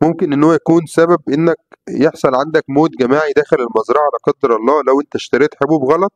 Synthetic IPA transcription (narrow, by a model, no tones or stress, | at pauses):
momkenʔenːowæjækuːnsæbæbʔenːæk̚jeħsˤɑlʕand̪ækmoːt̪̚ɡæmaːʕid̪æːxelelmɑzɾˤɑʕalæqɑd̪ːɑɾˤʔɑlˤːɑːlæwʔent̪æʃt̪æɾiːt̪ħebuːbɣɑlɑt̪̚ˤ